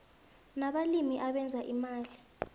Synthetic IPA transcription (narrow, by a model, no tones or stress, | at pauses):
naɓalimiʔaɓɛnd͡zʱaʔimaːli